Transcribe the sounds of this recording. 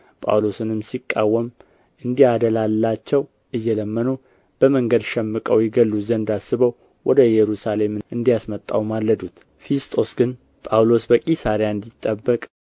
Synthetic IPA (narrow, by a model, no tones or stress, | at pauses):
pʼa̰wlo̞sɨnɨmsikʼːawːəm | ʔɨnd̪ihad̪əlalːat͡ʃːɛw | ʔɨjːɛləmːənu | b̥əməŋɡəd̪ʃɛmːɨkʼəwjɪɡəlːuzənd̪asɨβəw | wʔɔd̪əjɛɾusale̞mɨɨnd̪ijasmət̪ʼːawmalːəd̪ut̪ | fist̪ʰʼo̞sɡɨn | pʼawlo̞sbəkʼisaɾjaɨnd̪it̪ʼːəbːəkʼ